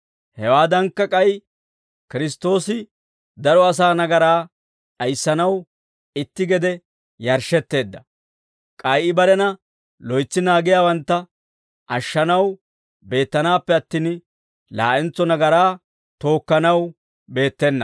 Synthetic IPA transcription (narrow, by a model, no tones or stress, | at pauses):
hɛwaːd̪ɐŋkːɐkʼɐj | kɪɾɪst̪ːo̞ːsɪ | d̪ɐɾɔɐs̬aːnɐɡɐɾaː | ᶑɐjsːɐnɐw | ɪt̪ːɪɡɛd̪ɛ | jɐɾʃɛt̪ːe̞ːd̪ːɐ | kʼɐjʔɪbɐɾɛnɐ | lɔjt͡sːɪnaːɡɪjaːwɐnt̪ːɐ | ʔɐʃːɐnɐw | be̞ːt̪ːɐnaːpːɛɐt̪ːiːn | la̰ːʔɛnt͡sːɔnɐɡɐɾaː | t̪o̞ːkːɐnɐw | be̞ːt̪ːɛnːɐ̰